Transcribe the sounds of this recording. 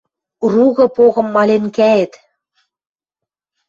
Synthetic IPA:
ruɣɤ̆poɣɤ̆mːɑlʲenkæĕt̪

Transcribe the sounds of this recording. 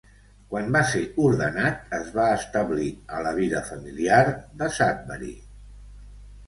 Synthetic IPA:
kwanbaseuɾðənat̪̚əzβaəst̪əβliələβ̞iðəfəmiliaɾðəsat̪̚βəɾḭ

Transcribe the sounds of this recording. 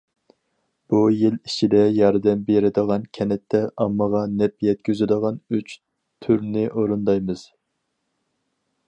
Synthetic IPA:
b̥ujilit͡ʃʰid̪ɛjɑɾd̪ɛmbeɾɪd̪əʁɑnkʲʰɛnɛt̪ʰːɛʔɑmːəʁɑnɛpjɛt̪̚kʲʰyzɪd̪əʁɑnyt͡ʃ | t̪ʰyɾnɪʔoɾund̪ɑjmɨz̥

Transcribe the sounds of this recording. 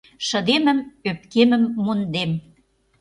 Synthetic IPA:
ʃə̆d̪emə̆møp̚kemə̆mːund̪em

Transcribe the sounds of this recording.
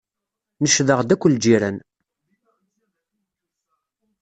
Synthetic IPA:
nəʃðəʁd̪ækʷːəld͡ʒiɾæn

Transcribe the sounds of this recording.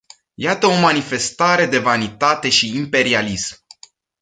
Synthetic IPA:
jat̪əo̞manife̞st̪aɾe̞d̪e̞vanit̪at̪e̞ʃiːmpe̞ɾialism

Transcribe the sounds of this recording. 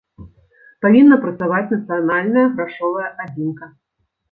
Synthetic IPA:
pavʲinːɐpɾɐt̪savat͡sʲnɐt̪sɨjanalʲnɐjɐɣɾaʂɔvɐjɐʔazʲimkɐ

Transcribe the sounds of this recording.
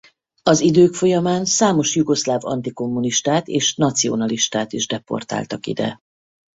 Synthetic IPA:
ɒzid̪øːkfo̞jɒmaːnsaːmo̞ʃjuɡo̞ʃlaːvɒ̰nt̪iko̞mːuniʃt̪aːt̪eːʃnɒt̪sijo̰nɒliʃt̪aːt̪iʒd̪ɛpo̞̰rt̪a̰ːlt̪ɒkḭd̪ɛ̰

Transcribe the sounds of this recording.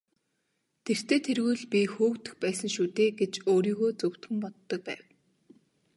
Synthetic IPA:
t̪ʰer̥t̪ʰeːt̪ʰerɣujɮpʲixuːkt̪ɘ̆xpæːsə̆ŋʃut̪eːɡet͡ɕoːɾiːɣoːt͡sɵw̥t̪xɘ̆mpɔt̪ːɞ̆k̚pæ̰ːw

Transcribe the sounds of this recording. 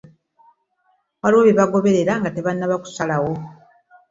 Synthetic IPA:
waliwoβiβaɡo̞βe̞ɾe̞ɾaŋɡate̞βanːaβaku̥salawo̞

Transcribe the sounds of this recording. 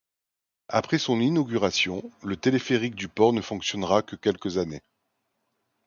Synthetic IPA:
apχɛsɔ̃ninɔɡʲyʁasjɔ̃lət̪elefeʁik̚d̪ypɔʁnəfɔ̃ksjɔnʁakəkʲɛlkəzane

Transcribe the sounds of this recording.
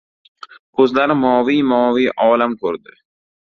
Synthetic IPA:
kʰɵzlaɾɪmɒːvijmɒːvijʔɒːlamkʰɵɾd̪ɪ

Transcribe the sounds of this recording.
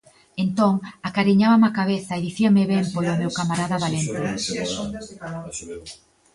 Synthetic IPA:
ent̪oŋakaɾiɲaβamakaβeθɐeðiθiameβɛmpojomewkamaɾaðaβalent̪e

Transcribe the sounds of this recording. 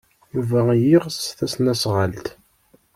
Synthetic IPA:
juvæjiʁsθæsnæsʁəlt̪

